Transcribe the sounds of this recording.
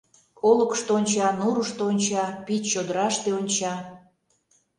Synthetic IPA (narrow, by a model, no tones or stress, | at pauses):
oləkʃt̪oonʲt͡ɕɑnuɾəʃt̪oonʲt͡ɕɑpit͡ɕːod̪əɾɑʃt̪eonʲt͡ɕɑ